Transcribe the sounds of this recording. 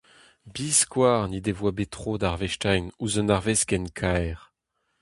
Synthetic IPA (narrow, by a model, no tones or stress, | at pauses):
biːskwaːʁnid̪evwabet̪χod̪aʁvɛʃtajnuzɔnaʁveskɛnkʰajʁ